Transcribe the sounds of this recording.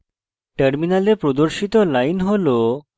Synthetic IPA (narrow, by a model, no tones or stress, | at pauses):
ʈəɾminalepɾɔd̪oɾɕit̪ɔlainɦolo